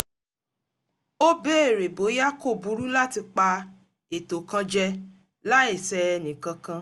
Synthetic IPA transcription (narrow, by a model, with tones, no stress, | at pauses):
o˦be˦e˦˨ɾe˨bo˨˦ja˦ko˦˨bu˧˦ɾu˦la˦ti˧k͡pa˧ | e˨to˨kã˧d͡ʒɛ˧ | la˦e˦˨sɛ˧ɛ˧nĩ˨kã˧kã˧